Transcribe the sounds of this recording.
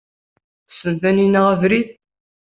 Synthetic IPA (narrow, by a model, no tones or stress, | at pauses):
θə̥sːənt̪æninaʁəvɾið